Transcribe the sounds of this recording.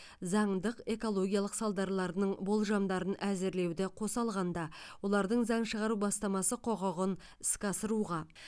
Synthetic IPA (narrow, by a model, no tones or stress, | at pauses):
zɑɴd̪əqe̞ko̞lˠo̞ɡʲijɑlˠəqsɑlˠd̪ɑɾlˠɑɾnəɴbo̞lˠʒɑmd̪ɑɾənʔæzɪɾle̞wd̪ɪqʰo̞sɑlˠʁɑnd̪ɑwo̞lˠɑɾd̪əɴzɑɴʃəʁɑɾubɑst̪ɑmɑsəqʰo̞ʁɑʁən | ɪskɑsəɾuʁɑ